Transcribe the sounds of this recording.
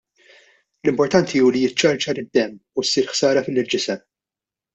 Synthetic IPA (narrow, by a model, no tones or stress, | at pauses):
lɪmpɔɾt̪ɐnt̪ʰiuːlijɪt͡ʃːɐɾt͡ʃɐɾɪd̪ːɛmːusːiːɾħsɐːɾɐfɪlːɪld͡ʒɪsɐ